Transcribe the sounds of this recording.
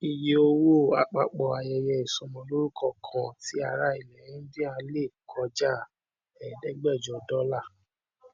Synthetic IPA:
i˧je˧o˧wo˦˨a˨k͡pa˧k͡pɔ˨a˨jɛ˧jɛ˧i˨sɔ̃˨˧mɔ̃˧lo˦ɾu˦kʰɔ˦˨kʰã˨ti˨˦a˧˨ɾa˧˦i˨lɛ˨jĩ˨˦dĩ˦ã˧le˦˨kʰɔ˧d͡ʒa˦˨ | ɛ˨dɛ˨˦ɡ͡bɛ˦˨d͡ʒɔ˨dɔ˦la˦˨

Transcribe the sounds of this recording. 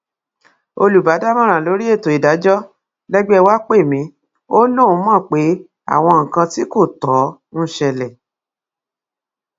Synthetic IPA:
o˧lu˨ba˨˦da˦mã˦ɾ̃ã˨lo˨˦ɾi˦e˦˨to˨i˨da˨˦d͡ʒɔ˦ | lɛ˦ɡ͡bɛ˦ɛ˧wa˦k͡pe˦˨mĩ˨˧˦ | o˦lõ˦˨˧mã˦˨k͡pe˨˦ | a̰˦˨w̃ɔ̃˧ŋ̩˨kã˧ti˨˦ko˦˨tɔ˨˦ | n̩˦ʃɛ˧lɛ˨

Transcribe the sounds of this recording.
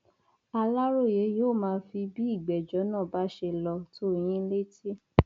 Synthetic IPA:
a˧la˦ɾo˦˨je˨˦joː˦˨mãː˧fi˧bi˦i˦˨ɡ͡bɛ˨d͡ʒɔ˨˦nãː˦˨ba˨˦ʃe˧lɔ˧to˦˨j̃ĩ˦le˦ti˦

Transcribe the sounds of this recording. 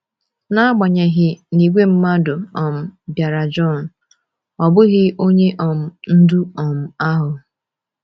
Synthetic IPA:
na˦a˦ɡ͡ba˨ɲe˨ɦɪ˨ni˨ɡʷe˦m̩˦ma˦dʊ˨ɔ˨m̩˨dja˨ɾa˨d͡ʒɔ˦˨n̩˨ | ɔ˨bʊ˦ɣɪ˦ʔo˦ɲe˦ʔɔ˨m̩˨n̩˦du˦ɔ˨m̩˨a˦ɦʊ˨

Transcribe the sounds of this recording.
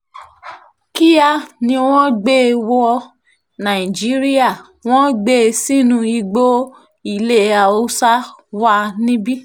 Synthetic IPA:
ki˦ja˦nĩ˧w̃ɔ̃˦ɡ͡be˦˨wo˧˦ɔ˧ | nã˨i˨d͡ʒi˨˦ɾi˦a˦˨ | w̃ɔ̃˦ɡ͡be˦˧si˦nũ˧i˧ɡ͡bo˦ | i˧˨le˦˨a˨o˦sa˦wa˦nĩ˦bi˦

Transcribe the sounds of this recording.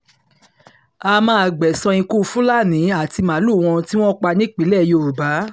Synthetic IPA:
a˧mãː˦a˨ɡ͡bɛ˨sã˧ĩ˧ku˦˧fũ˦la˦˨nĩ˨˦a˦˨ti˧mã˨˦lu˦˨w̃ɔ̃˧ti˦w̃ɔ̃˦k͡pa˧nĩ˦k͡pi˨˦lɛ˦˨jo˧˨ɾu˨ba˨˦

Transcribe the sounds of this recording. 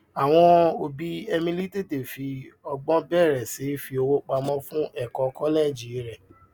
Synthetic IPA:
a˨w̃ɔ̃˧o˧bi˦ɛ˧mĩ˧li˦te˦˨de˨fi˧ɔ˧ɡ͡bɔ̃˦bɛ˦˨ɾɛ˨si˨˦fi˧o˧wo˦k͡pa˧mɔ̃˦fũ˦ʔɛ˦˨kɔ˨kɔ˦lɛ˦˨d͡ʒi˨˦ɾɛ˦˨

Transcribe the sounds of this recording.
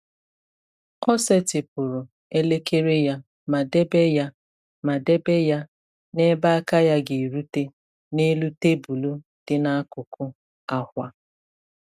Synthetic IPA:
ɔ˦se˦tɪ˨pʊ˨ɾʊ˨ | e˦le˦ke˦ɾe˦ja˦ | ma˨de˦be˦ja˦ | ma˨de˦be˦ja˦ | ne˦ba˦a˦ka˦ja˦ɡɪ˨ɾu˦te˦ | ne˦lu˦te˦bu˨lu˦ | d̥ɪ˦na˦a˦kʊ˨kʊ˦ | a˦hʷa˦

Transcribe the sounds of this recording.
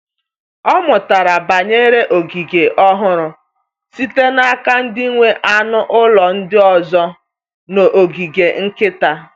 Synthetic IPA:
ɔ˦mʊ˨ta˨ɾa˨ba˨ɲe˦ɾe˦ʔo˨ɡi˨ɡe˨ʔɔ˦ɦʊ˦ɾʊ˨ | si˦te˦na˦ka˦n̩˦di˦i˦ŋʷe˦ʔa˦nʊ˦ʔʊ˦lɔ˨n̩˦dɪ˦ɔ˨zɔ˦ | no˨ʔo˨ɡi˨ɡe˨ŋ̩˦kɪ˦ta˨

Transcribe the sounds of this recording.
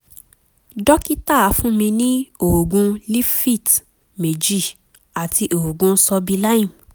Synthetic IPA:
dɔ˦ki˦ta˦˨a˨˧˦fũ˦mĩ˧nĩ˦o˨o˨ɡũ˧li˦fi˦˨t | me˨d͡ʒi˦˨ | a˨ti˧ʔo˨ho˨ɡũ˧n̩˦sɔ˧bi˧la˦ĩ˦˨m

